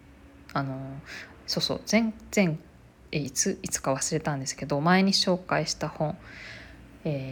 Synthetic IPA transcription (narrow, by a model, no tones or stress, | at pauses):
ano̞so̞ːso̞̰ːz̥ẽ̞ŋz̥ẽ̞ŋ | eit͡sɨit͡sɨ̥kaβ̞asɨɾe̞t̪ãnd̪e̞sɨ̥ke̞d̪o̞mae̞ɲ̟iɕo̞ːkaiɕi̥t̪ahõ̞ɴ | eː